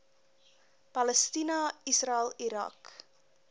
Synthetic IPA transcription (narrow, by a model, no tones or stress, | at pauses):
pɐləstinɐisraɪlˠiɾɐ̰k